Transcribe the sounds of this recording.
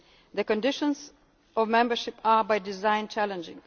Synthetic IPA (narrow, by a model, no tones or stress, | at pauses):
ðəkə̃ndɪʃə̃nz | ɔvmɛ̃mbə˞ʃɪpabaɪdɪzãɪ̃nt͡ʃælə̃nd͡ʒɪ̰̃ŋ